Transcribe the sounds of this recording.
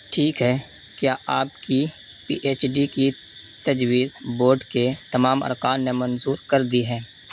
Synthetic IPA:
ʈʰiːkɦɛː | kjaːʔaːpki | pḭːʔeːt͡ʃɖiki | t̪ɐd͡ʒwiːzboːɾɖket̪ɐmaːmɐ̰ɾkaːnːemənzuːɾkɐɾd̪iɦɛ̃ː

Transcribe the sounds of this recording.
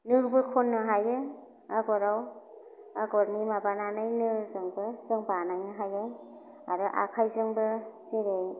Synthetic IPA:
nɯbɯkʰonːɯɦajɯ | aɡɔɾaw | aɡɔɾnimabananɯjnɯzɯŋbɯzɯŋbanajnɯɦajɯ | aɾɯʔa̰kʰajzɯŋbɯzeɾe

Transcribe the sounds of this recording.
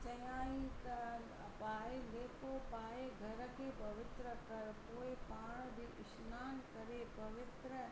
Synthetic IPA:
t͡ʃɐjaːit̪ɐ | paːeleːkopaːeɡʱɐɾkʰepɐʋɪt̪ɾəkɐɾpoːepaːɳ̃d̪iːʔɪʃnaːnkɐɾepɐʋɪt̪ɾə

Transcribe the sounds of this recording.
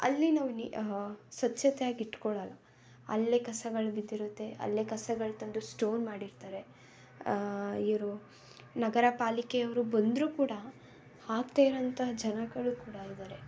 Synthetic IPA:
ɐ̰lːinaːʋunisʋɐtːt͡ʃɐt̪ɛjaːɡiʈːkɔɭɐlɐ | ɐ̰lːekɐsɐɡɐɭbid̪ːiɾut̪ːe̞ɐ̰lːekɐsɐɡɐɭt̪ɐnd̪usʈo̞ːnmaːɽiɾt̪aːɾe̞ | iʋɐɾu | nɐɡɐɾɐpaːlikeɐʋɐɾubɐnd̪ɾuːkuːɽɐ | haːkt̪aːjiɾɐnt̪ʰɐɦɐd͡ʒɐnɐɡɐɭukuːɽɐid̪aːɾe̞

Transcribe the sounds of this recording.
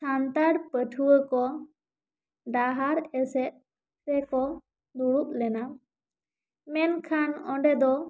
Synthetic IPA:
sant̪aɽpəʈʰuwəkɔ | ɖaɦaɾɛsɛt̪̚ˀ | ɾɛkɔ | d̪uɽuʔ̚lɛna | mɛnkʰanɔ̰̃ɳɖɛd̪ɔ

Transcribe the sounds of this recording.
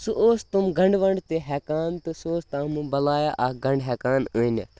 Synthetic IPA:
suʔoːst̪umɡɐ̃ɳɖʋɐɳɖt̪eɦɛːkaːnt̪ɨsoːst̪ãːmubɐlaːjaʔaɡɐ̃ɳɖɦɛːkaːnun̰

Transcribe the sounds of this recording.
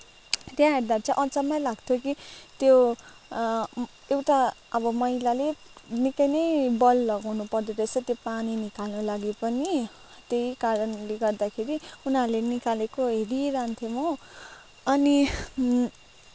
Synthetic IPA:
t̪jãɦeɾd̪at͡sãʔʌt͡sʌmʌlaɡt̪ʰjokit̪jo | ewʈaʌbʌmʌɦilale | nikʌjnʌjbʌlːʌɡawnupʌrd̪oɾesʌt̪jopaninikalnʌlaɡipʌni | t̪eikaɾʌnleɡʌrd̪akʰeɾiunaɾlenikalekoɦeɾiɾant̪ʰjomo | ʌni

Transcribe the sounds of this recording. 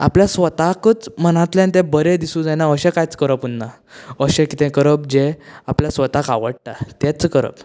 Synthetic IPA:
a̰pljasʋət̪akət͡smənãt̪ljãnt̪ɛ̃bəɾẽd̪isũd͡zajnaəɕɛ̃kajt͡skəɾəpunːa | əɕɛ̃kit̪ɛ̃kəɾəp̚d͡ʑeapljasʋət̪aka̰ʋəɽʈat̪ɛt͡skəɾə̰p

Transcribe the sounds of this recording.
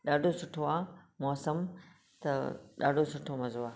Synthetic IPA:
ɗaːɖʱosʊʈʰoaːmɔːsɐm | t̪ɐɗa̰ːɖʱosʊʈʰomɐzoaː

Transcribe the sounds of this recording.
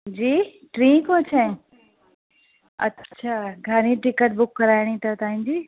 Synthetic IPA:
d͡ʑiːʈɾĩːkõt͡ɕʰaɪ̃ | ɐ̰tːɕʰaːɡʱəɾĩʈɪkəʈ̚bʊkːɐɾaːɪɽ̃it̪ɐt̪aːɦĩd͡ʑiː

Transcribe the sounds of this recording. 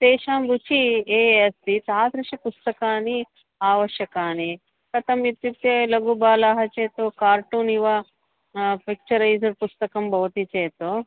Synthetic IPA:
t̪eːʃaːmbut͡ʃieːestit̪aːt̪ɾɐʃipust̪ɐkaːni | aːʋɐʃjɐkaːni | kɐt̪ɐmit̪juk̚t̪eːlɐɡubaːlaːɦɐt͡ʃeːt̪oːkaːɾʈuːniʋɐ | pik̚t͡ʃɐɾɐjd͡ʒɐɾpust̪ɐkɐmbɐwt̪it͡ʃeːt̪o

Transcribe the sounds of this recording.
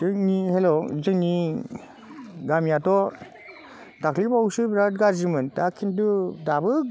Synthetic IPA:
dɯŋnihelɔzɯŋni | ɡamjatɔ | takʰlibawsɯbɾat̚ɡazimɯntakʰindudabɯ

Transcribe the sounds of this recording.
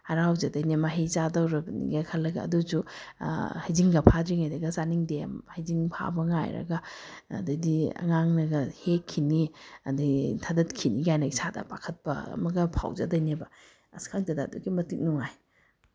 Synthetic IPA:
hɐɾawzɐdɐjnemaɦit͡ʃadɐwɾɐbɐnḭɡɐkʰɐlːɐɡɐ̰ːdusu | hajziŋɡɐpʰadɾiŋajdɐɡɐsaniŋdehajziŋpʰa̰bɐŋa̰jɾɐ̰ɡɐ̰ːdɐdiɐ̰ŋaŋnɐɡɐhekʰːiniɐ̰dɐtʰɐdɐt̚kʰiniɡajnɐɡisadɐ̰pakʰɐt̚pɐɐ̰mɐɡɐpʰa̰wzɐ̰dɐjnebɐ | ɐskʰaŋdɐdɐːduɡimɐtik̚nuŋaj

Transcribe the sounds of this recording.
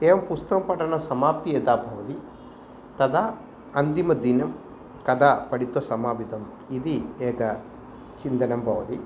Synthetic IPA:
eːʋɐmpust̪ɐkɐmpɐʈɐnɐsɐmaːp̚t̪ieːt̪aːbʱɐʋɐt̪i | t̪ɐd̪a | ɐnd̪imɐd̪inɐm | kɐd̪aːpɐɽit̪ːosɐmaːbid̪ʱɐm | id̪ieːkɐ | t͡ʃind̪ɐnɐmbʱɐʋɐt̪i

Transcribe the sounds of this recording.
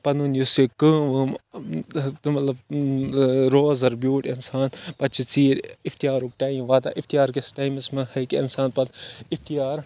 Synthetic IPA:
pɐnunjusikə̃ːʋɨm | mɐt̪lɐb̚ | ɾoːzɐɾbʲjuːʈinsaːnpɐt͡ʃʰit͡siːɾift̪ijaːɾuk̚ʈaːĩmʋaːt̪a̰ːʔift̪ijaːɾkesʈaːjmismɐhɐkiinsaːnpɐt̪ift̪ijaːɾ

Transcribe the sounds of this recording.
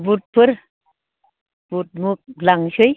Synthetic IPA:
but̚pɨɾ | b̥ut̚muk̚laŋʃuj

